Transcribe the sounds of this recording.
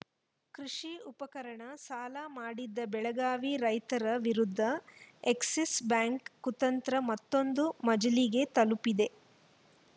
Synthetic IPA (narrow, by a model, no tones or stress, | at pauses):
kɾiʂiupɐkɐɾɐɳɐsaːlɐmaːɽid̪ːɐbɛɭɐɡaːʋiɾɐjt̪ɐɾɐʋiɾud̪ʱːɐeksisbaːŋkːut̪ɐnt̪ɾɐmɐt̪ːo̞nd̪umɐd͡ʒɐliɡe̞t̪ɐlupid̪e̞